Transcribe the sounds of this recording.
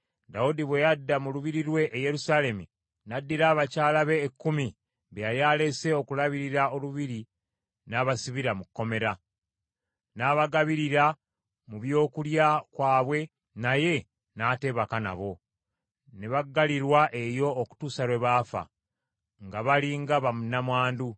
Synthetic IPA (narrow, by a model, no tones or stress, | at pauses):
daudiβwejadːamuluβiɾiɾwe̞ʔːje̞ɾusaːle̞mi | nadːiɾaːβacaːlaβe̞ːkːumi | βejaljaːle̞se̞o̞kulaβiɾiɾao̞luβiɾi | naːβasiβiɾamukːo̞me̞ɾa | naːβaɡaβiɾiɾa | muβjo̞ːkuljakwaːβwe̞ | naje̞ | naːte̞βakana̰βo̞ | neβaɡːaliɾwaʔe̞jo̞ːku̥tuːsaɾwe̞βaːfa̰ | ŋɡaβaliŋɡaβamunamwaːndu